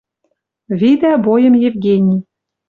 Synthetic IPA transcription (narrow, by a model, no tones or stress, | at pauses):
vid̪æbojə̆mjevɡʲenʲi